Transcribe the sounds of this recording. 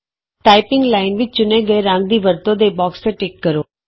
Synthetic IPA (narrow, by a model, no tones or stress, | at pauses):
ʈaːɪpɪŋɡlaːɪnʋɪt͡ʃt͡ʃʊneːɡəeɾə̃ŋɡ̚d̪iːʋəɾt̪õːd̪eːbɔːkst̪eʈɪkːəɾoː